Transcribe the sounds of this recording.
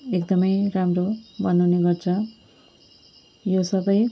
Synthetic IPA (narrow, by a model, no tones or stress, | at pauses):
ekd̪ʌmʌjramrobʱʌnawneɡʌrt͡sʰʌ | josʌbʌj